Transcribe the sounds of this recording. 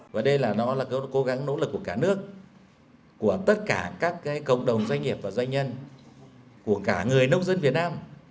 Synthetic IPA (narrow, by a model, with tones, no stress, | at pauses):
vaː˨˩ɗə˧jlaː˨˩nɔ˨˦laː˨˩kko˨˦ɣa˨˦ŋno̰˧˥lɨ˨˩k̚ːu˧˩əkaː˧˩nɨ˦˥ək̚ː | u˧˩ət̪ə˦˥t̚kaː˧˩kaː˦˥kːaː˨˦jkə̰˧˨wŋ͡m̚ɗə˨˩wŋ͡mzwa˧jŋ̟ŋi˨˩əp̚vaː˨˩zwa˧ŋ̟ɲə˧n | ku˧˩əkaː˧˩ŋɨ˨˩əjnə˧wŋ͡mzə˧nvi˨˩ət̚naː˧m